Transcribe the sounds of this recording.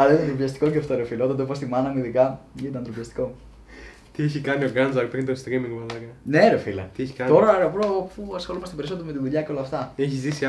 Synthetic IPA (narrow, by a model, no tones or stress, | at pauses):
ɐenit̪ɐnt̪ɾopiçɐst̪i̥koceɐft̪oɾefilɐot̪ɐnd̪opost̪imɐnɐmiðikɐint̪ɐnt̪ɾopçɐst̪i̥ko̞ | t̪ieçikɐnio̞ɡɐnzɐɾpɾint̪ost̪ɾimiŋɡmɐlɐkɐneɾefilɐieçi̥kɐt̪o̞ɾɐpɾopuɐsxolumɐst̪ebeɾisot̪ome̞t̪iðuʎɐceo̞lɐft̪ɐeçizisi